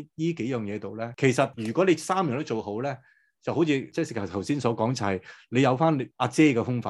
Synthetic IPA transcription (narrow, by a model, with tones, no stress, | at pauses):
jiː˥ke˨˥jœː˨ŋjɛː˨˧t̪o˨wlɛː˥kʰe˨˩jsɐ˨t̚jyː˨˩kʷɔ˨˥le˨˧jsaː˥mjœː˨˩nto˥t͡ʃo˨who˨˥wlɛː˥ | t͡sɐ˨who˨˧˥wt͡sʰiː˧t͡sɛ˥˩sɪ˨kʰɐ˨˩t̪ʰɐ˨˩wsiː˥nsɔː˨˥kɔː˨˥ŋt͡sa˨ɐ˨˩jle˨˧jɐ˨˧wfaː˥n˨ʔaː˧t͡sɛː˥kɛː˧fʊ˥ŋfaː˨˧